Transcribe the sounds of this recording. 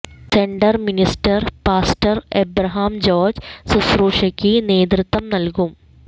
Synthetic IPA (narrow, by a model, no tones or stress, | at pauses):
se̞ɳɖɐrministɐrpaːstɐrebɾɐɦaːmd͡ʑo̞ːrd͡ʑsusruːʂɐkʲːine̞ːd̪rɨt̪ːʋɐmnɐlkum